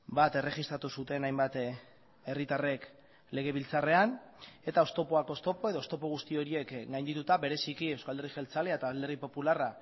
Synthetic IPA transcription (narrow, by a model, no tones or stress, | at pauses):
bat̪e̞re̞ɣist̪ɾat̪usut̪e̞najmbat̪ | e̞rit̪are̞k | le̞ɣ̞e̞βilt͡sare̞ane̞t̪ao̞st̪o̞poako̞st̪o̞poe̞ðo̞st̪o̞po̞ɣust̪io̞ɾie̞kɡajnd̪it̪ut̪abe̞ɾe̞sikiewskald̪erixelt͡saleaet̪aːld̪e̞ripo̞pulara